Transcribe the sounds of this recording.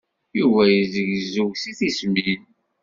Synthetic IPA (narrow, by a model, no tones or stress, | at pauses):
juvæjəzəʝzuʝsiθismin